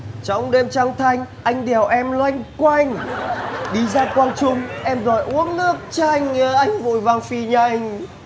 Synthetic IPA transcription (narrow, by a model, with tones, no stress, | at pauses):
t͡ɕɔ˧˩wŋ͡mɗe˧mt͡ɕa˧ŋt̪ʰa˧jŋ̟ʔa˧jŋ̟ɗɛ˨˩əwʔɛ˧mlwa˧jŋ̟kwa˧jŋ | ɗi˧zaː˧kwaː˧nt͡ɕʊ˧ŋ͡mʔɛ˧mzɔ˨˩jʔu˨˦əŋnɨ˦˥ək̚t͡ɕa˧jŋʔa˧jŋ̟vṵ˧˨jva˨˧˩ŋfi˧˩ɲa˧˩jŋ